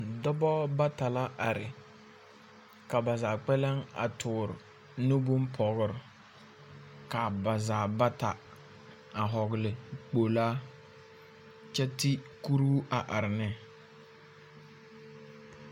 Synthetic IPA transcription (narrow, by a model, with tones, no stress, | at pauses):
dɔ˦bɔ˦ba˦ta˨la˦ʔa˨ɾɪ˨ | ka˨ba˨zaː˨k͡pɛ˦lɛ˦ŋa̰˨tʰʊː˨ɾ | nʊ˦bʊ˦mpʰɔ˨ɣʊ˦˨ɾ | ka˨ba˨zaː˨ba˦ta˨ | a˨ɦɔ˨ɣɪ˨lɪ˨k͡po˨laː˦ | t͡ʃɛ˦ti˦ku˦ɾuː˦a˨ʔa˨ɾɪ˨nɛ˦